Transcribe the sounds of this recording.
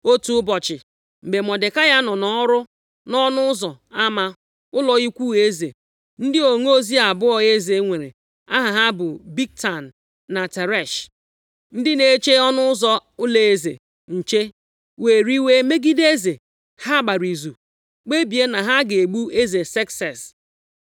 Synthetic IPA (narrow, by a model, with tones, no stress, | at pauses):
o˦tu˦bɔ˨t͡ʃɪ˨ | m̩˨be˨mɔ˨dɪ˨ka˦ja˦nɔ˨nɔ˨ɔ˦ɾʊ˦ | nɔ˦nʊ˦ʊ˦zɔ˨ | a˦ma˨ | ʊ˦lɔ˨i˦kʷu˦e˦zḛ˨ | n̩˦dɪ˦o˨ŋ˦o˦zi˦a˨bʊ˦ɔ˨e˦ze˨˦ŋʷe˨ɾḛ˨ | a˦ɦa˨ɦa˦bʊ˨bi˦k̚ta˨n̩ː˨ | a˨te˨ɾɛ˦˨ʃ | n̩˦dɪ˦ne˨˦t͡ʃe˦ɔ˦nʊ˦ʊ˦zɔ˦ʊ˦le˨e˦zḛ˨ | n̩˨t͡ʃe˦ | we˨ɾi˦we˦me˦ɡi˦de˦ze˨ | ha˦ɡ͡ba˨ɾi˨zu˨ | k͡pe˦bi˨e˦na˨ɦa˦ɡe˨ɡ͡bu˦e˦ze˨sɛ˦ksɛ˨s